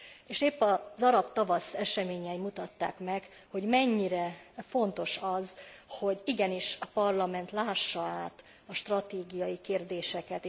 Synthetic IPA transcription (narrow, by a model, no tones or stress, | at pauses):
eːʃeːpːɒzɒɾɒpt̪ɒvɒsɛʃɛmeːɲɛimut̪ɒt̪ːa̰ːkmɛk | ho̞ɟmɛɲːiɾɛfo̞nt̪o̞ʃɒzho̞ɟiɡɛniʃɒpɒrlɒmɛnt̪laːʃːɒaːt̪ | ɒʃt̪rɒt̪eːɡijɒjikeːrd̪eːʃɛkɛt̪eː